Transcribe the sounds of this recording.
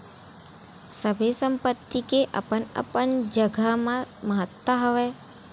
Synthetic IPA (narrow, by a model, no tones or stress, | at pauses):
səbʱesəmpət̪ːikeʔə̰pəɳə̰pənd͡ʒəɡʱamãməɦət̪wəɦəʋe